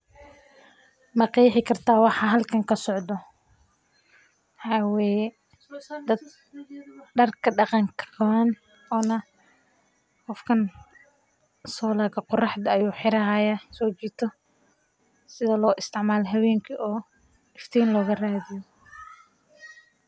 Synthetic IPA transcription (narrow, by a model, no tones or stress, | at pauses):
mɐqiːħɪkʰɐrt̪ʰaːwɑħɑɦɐlkʰɐŋkʰɐsɔʕd̪ɔ | wɑħɑːwɛːjɛ | d̪ɐd̪ | ɖɐrkʰɐɖɑqɑŋkʰɐ̥kʰɐwɐn | ɔːnɐ | qɔfkʰɐn | sɔːlaːɣɐqʊrɑħd̪ɐːjuːħɪɾɐɦajɐsɔːt͡ʃiːt̪ʰɔ | sɪðɐlɔːʔɪst̪ʰɪʕmaːlɔɦɐwɛːŋkʰiʔɔː | ɪft̪ʰɛːnlɔːɣɐraːðɪjɔ